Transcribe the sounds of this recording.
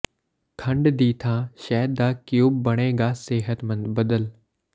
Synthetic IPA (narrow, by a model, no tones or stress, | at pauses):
kʰɐ̃ɳɖd̪iːt̪ʰãːʃɛːd̪aːkijuːbbɐɽ̃eːɡaːseːɦət̪mɐ̃nd̪bɐd̪əl